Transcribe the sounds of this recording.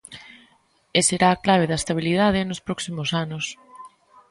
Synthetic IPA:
eseɾaːklaβ̞eðaest̪aβ̞ilið̞aðɪnʊspɾɔksimosanʊs

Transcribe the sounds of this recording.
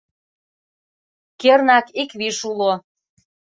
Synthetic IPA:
kernɑkikβiʃulo

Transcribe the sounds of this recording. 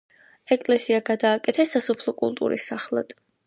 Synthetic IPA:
ɛkʼlɛsiaɡad̪aːkʼɛt̪ʰɛsːasɔpʰlˠɔkʼulˠt̪ʼṵɾḭsːaχlˠa̰d̪̥

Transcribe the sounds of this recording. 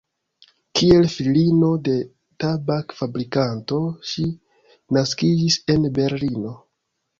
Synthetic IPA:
kie̞lfilino̞de̞ | tabakfabɾikanto̞ʃi | naskid͡ʒise̞nbe̞ɾlino̞

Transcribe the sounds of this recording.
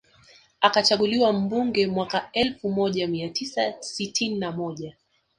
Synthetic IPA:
akat͡ʃaɠuliwam̩buŋɡɛmwakaɛlfumɔʄamiatʰisasitʰininamɔʄa

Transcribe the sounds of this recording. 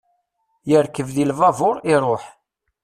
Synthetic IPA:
jəɾkəvðilvɑvʊɾˤɪɾˤoħ

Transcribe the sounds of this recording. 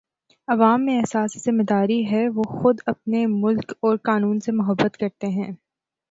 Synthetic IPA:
ɐʋaːmːẽɛɦsaːszɪmed̪aːɾiɦɛʋoːxʊd̪ɐp̚nemʊlkɔːɾqaːnuːnsemʊɦəbːət̪kɐɾt̪eɦɛ̃ː

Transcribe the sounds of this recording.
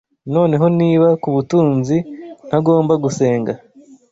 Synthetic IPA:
no̞ːne̞ɦo̞niːβakuβutuːnzin̥haɡo̞ːmbaɡuse̞ːŋɡa

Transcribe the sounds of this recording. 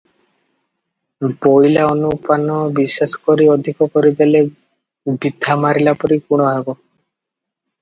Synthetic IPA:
boilaɔnupanɔbisesɔ̥kɔɾiɔd̪ʱikɔkɔɾid̪ele | bid̪ʱːamaɾilapɔɾikuɽ̃ɔɦebɔ

